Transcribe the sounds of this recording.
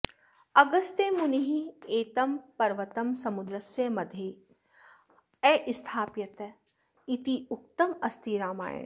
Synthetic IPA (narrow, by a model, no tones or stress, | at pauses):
ɐɡɐst̪emuniɦieːt̪ɐmpɐɾʋɐt̪ɐmsɐmud̪ɾɐsjɐmɐd̪ʱje | ɛːʔɪst̪ʰaːpjɐt̪ | it̪iʊk̚t̪ɐmɐst̪ʰiɾaːma̰ːjə̰̃